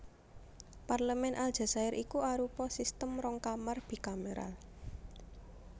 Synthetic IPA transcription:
parləmɛnʔald̥ʒ̥a̤saɪɾʔikuaɾupɔsist̪əmrɔŋkamarb̥i̤kaməɾa̰l

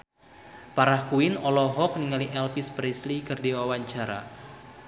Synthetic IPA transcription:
paɾahkuinɔlɔɦɔk̚niŋaliʔɛlpispɾislikɨrdiwawaɲt͡ʃaɾa̰

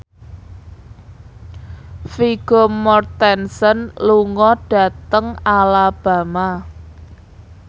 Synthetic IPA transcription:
fiɡ̥omɔrt̪ɛnsənluŋɔɖ̥a̤t̪əŋalab̥ä̤ma

